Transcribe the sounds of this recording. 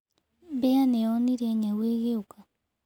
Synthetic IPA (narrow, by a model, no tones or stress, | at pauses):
beanɛɔniɾɛɲaweːɣeoka